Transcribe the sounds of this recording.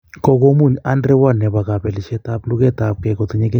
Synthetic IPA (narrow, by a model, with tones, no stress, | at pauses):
kɔ˦ko˦mu˦˨ɲa˦ndɾɛ˦wa˦nɛ˨βa˨ka˨pɛ˨lɪ˨ʃɛ˦t̪a˦plu˦kɛ˦t̪a˨p̚kɛ˨kɔ˨t̪i˨ɲɛ˦kɛ˦